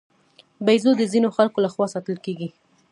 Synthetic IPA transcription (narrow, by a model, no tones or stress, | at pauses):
bajzod̪əzinoxalkolaxwɑsɑt̪əlkeɡi